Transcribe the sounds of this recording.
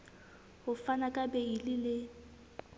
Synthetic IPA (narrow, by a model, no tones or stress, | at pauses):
hʊfanakʼabɛilɪlɪ